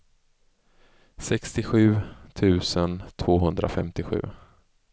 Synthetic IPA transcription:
sɛkst̪ɪɧʉ̟ːt̪ʰʉ̟ːsənt̪ʰvoːɦɵnd̪ɾa̰fɛ̰mt̪ɪɧʉ̟̰ː

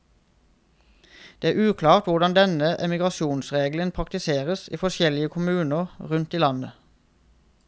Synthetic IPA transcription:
d̪̥eːæːʉːkʰlɑːʁt̪ʋʊʁd̪ɑnd̪ɛnəʔɛmɪɡʁɑʃjuːnsʁeːɡlənpʰʁɑkt̪ɪseːʁəsḭːfɔʃɛlɪəkʰʊmʉːnəʁʁʉnt̪iːlɑnə

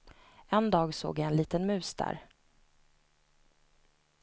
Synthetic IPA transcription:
ɛnd̪ɑːɡso̰ːɡjaɛnliːt̪ənmʉ̟ːsd̪æ̰ɾ

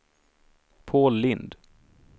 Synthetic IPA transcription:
pʰoːllɪnd̪

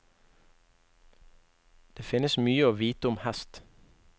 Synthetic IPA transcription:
d̪̥eːfɪnəsmyːəoːʋiːt̪əʊmhæst̪

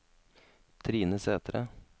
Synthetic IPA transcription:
t̪ʰɾiːnəseːt̪ɾə̰

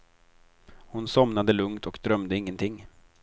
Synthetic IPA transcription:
hʊnsɔmnad̪əlɵŋt̪ʰɔkd̪ɾœmd̪əɪŋːənt̪ʰɪŋː

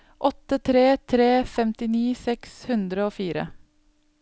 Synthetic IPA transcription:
ʔɔt̪ət̪ʰɾeːt̪ʰɾeːfɛmt̪ɪniːsɛkshʉnd̪ɾəoːfiːɾə̰

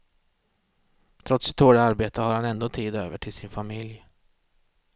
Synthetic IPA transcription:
t̪ʰɾɔt̪sɛ̥t̪ʰːoːɖəaɾbeːt̪əhaɾhanɛnd̪oːt̪ʰiːd̪øːvəʈʰɪlsɪnfamɪlj

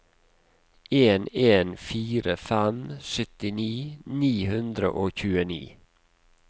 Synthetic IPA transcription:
eːneːnfiːɾəfæmsœt̪ɪniːniːhʉnd̪ɾə̰ʔoːçʉːənḭː

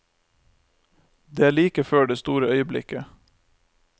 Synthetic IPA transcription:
d̪eːæːɭiːkəføːɖeːst̪uːɾəœʏəblɪ̰kə

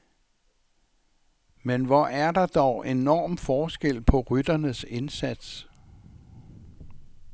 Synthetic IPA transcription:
menʋɒʔæɐdɑ̈d̥ɒʊʔe̝nɒ̰ːmfɒːsɡ̥el̰pʰɒ̽ʁyd̥ɐnəse̝nsæd̥s

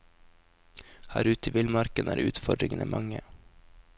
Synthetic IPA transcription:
hæːɾʉːt̪iːʋɪlmɑɾkənʔæ̰ːɾʉ̰ːt̪fɔɖɾɪŋənḛːmʔɑŋə

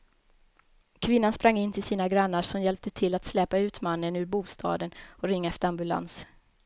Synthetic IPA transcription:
kʰvɪnːanspɾaŋːɪnːt̪ʰɪlsiːnaɡɾanːaʂɔmjɛlp̚t̪ət̪ʰɪlːat̪slɛːpaʉ̟ːt̪manːənʉ̟ːɾbuːst̪ʰɑ̰ːd̪ənɔɾɪŋːaɛft̪əɾambɵla̰ns

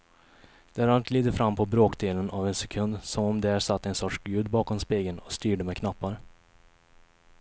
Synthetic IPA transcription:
d̪̥ɛæɾalt̪liːd̪əɾfɾamːpʰɔbɾoːkd̪eːlənavɛnsɛkʰɵnd̪sɔmɔmd̪ɛæʂat̪ːɛnsɔʈʂɡʉ̟ːd̪bɑːkɔmspeːɡənɔst̪yːɖəmɛkʰnapːaɾ

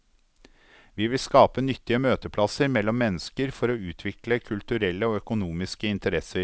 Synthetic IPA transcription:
ʋiːʋɪlskɑːpənʏt̪ːɪəmøːt̪əpʰlɑsəɾmɛlːɔmːɛnːəskəɾfɔɾoːʉːt̪ʰʋɪkləkʰʉlt̪ʉɾɛlːəoːœkʊnuːmɪskəɪnt̪əɾɛsəɾ

